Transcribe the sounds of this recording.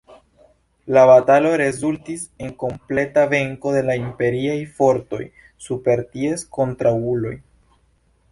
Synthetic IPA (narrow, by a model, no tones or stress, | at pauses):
laβatalo̞ɾe̞zultise̞ŋko̞mple̞tave̞ŋko̞de̞laimpe̞ɾiajfo̞ɾto̞̰j | supe̞ɾtie̞sko̞ntɾaulo̞j